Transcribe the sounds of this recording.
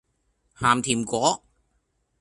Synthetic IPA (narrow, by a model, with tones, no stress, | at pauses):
haː˨˩mt̪ʰiː˨˩mkɔː˨˥